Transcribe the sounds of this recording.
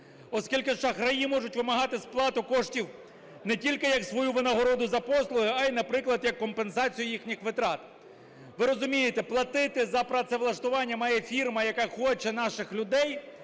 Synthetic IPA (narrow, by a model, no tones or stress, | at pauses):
ɔskʲilʲkɪʃɐxɾɐjimɔʐʊtʲʋɪmɐɦɑt̪ɪsplˠɑt̪ʊkɔʂtʲiw | nɛtʲilʲkɪjɐksʋɔjuʋɪnɐɦɔɾɔd̪ʊzɐpɔslˠʊɦɪɐinɐpɾɪklˠɐd̪jɐkːɔmpensɑt͡sʲijʊjixnʲixʋɪt̪ɾɑt̪ | ʋɪɾɔzʊmʲijet̪ɛplˠɐt̪ɪt̪ɪzɐpɾɐt̪sɛʋlˠɐʃt̪ʊʋɑnʲːɐmɑjɛfʲirmɐjɐkɑxɔt͡ʃɛn̪ɑʃɪxlʲʊd̪ɛj